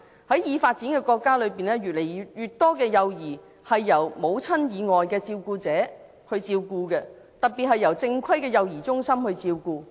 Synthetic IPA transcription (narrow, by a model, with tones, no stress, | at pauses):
hɐ˨˥jjiː˨˧faː˧t̚t͡siː˨˥nkɛː˧kɔː˧kːaː˥lɵ˨˧piː˨nlɛː˥jyː˨t̚le˨˩jjyː˨t̚t̪ɔː˥kɛː˧jɐ˨wjiː˨˩ | hɐ˨jːɐ˨˩wmo˨˧wt͡sʰɐ˥njiː˨˧ŋɔː˨jkɛː˧t͡siː˧wkuː˧t͡sɛː˨˥ | hɵ˧ɥt͡siː˧wkuː˧kɛ˧ | t̪ɐ˨˩t̚piː˨t̚hɐ˨jːɐ˨˩wt͡sɪ˧ŋkʰɐ˥jkɛː˧jɐ˨˧wjiː˨˩t͡sʊ˥ŋsɐ˥mhɵ˧ɥt͡siː˧wkuː˧